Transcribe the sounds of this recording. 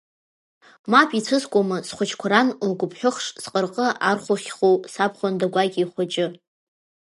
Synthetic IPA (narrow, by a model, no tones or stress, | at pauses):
mapʰʼit͡sʷʰɨskʷʼamɨsχʷʊt͡ʃʰkʷʰaɾanlɡʷʊpʰħʷᶣʊχʂsqʼərqʼəʔarχʷʊχʲχowsapʰχʷandaɡʷajɡʲiiχʷat͡ʃʼɪ